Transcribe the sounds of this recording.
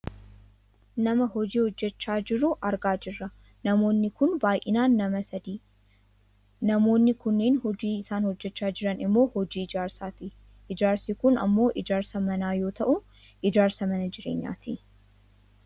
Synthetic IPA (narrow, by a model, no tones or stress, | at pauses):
nɐmɐɦɔd͡ʒiːhɔd͡ʒːɛt͡ʃːaːd͡ʒɪɾʊʔɐɾɡaːd͡ʒɪrːɐ | nɐmo̞ːnːɪkʊnbaːjʔɪnaːnːɐmɐsɐd̪iː | nɐmo̞ːnːɪkʊnːeːnhɔd͡ʒiːɪsaːnhɔd͡ʒːɛt͡ʃːaːd͡ʒɪɾɐnɪmːo̞ːhɔd͡ʒiːɪd͡ʒaːɾsaːt̪ɪ | ʔɪd͡ʒaːɾsikʊnɐ̰mːo̞ːʔɪd͡ʒaːɾsɐmɐnaːjo̞ːt̪ɐʔʊ | ʔɪd͡ʒaːɾsɐmɐnɐd͡ʒɪɾḛːɲːa̰ːt̪i